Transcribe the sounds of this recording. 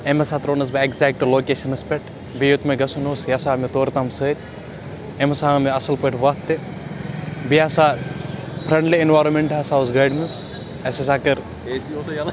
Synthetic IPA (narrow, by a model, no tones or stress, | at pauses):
emɐsaːt̪ɾoːnɐs̬bɐekzɛk̚ʈloːkeːʃɐnɨspʲeʈʰ | bijut̪mɐɡɐsunoːsjasaːmit̪oːɾt̪ɐmsəːɾʲ | emɐsaːmiɐsɐlpɐʈʰʋɐkt̪ːe | biasaː | pʰɾɐɳɖliinʋaːɾɐnmeɳʈaːsaːosɡaːjɖmɨs | ɐsesaːkɐɾ